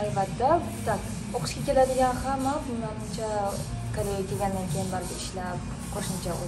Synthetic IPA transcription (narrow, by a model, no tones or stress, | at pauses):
albat̪ːa | t̪ak | oqʰɨ̥ʃkʲakʲʰe̞lad̪ɪɡʲanhamːabʊnanɪnt͡ʃʰa | kʰaɾejakʲʰe̞ɡʲand̪ankʲʰe̞jɪnbaɾɡ̪ʲɪɪʃlap̚ | qʰoʃɪmt͡ʃʰa